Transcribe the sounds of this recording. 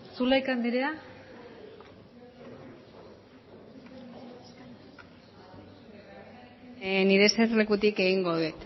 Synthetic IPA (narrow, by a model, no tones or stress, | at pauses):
sulaikand̪iɾea | niɾe̞serlekut̪ike̞ɣiŋɡoðuet̪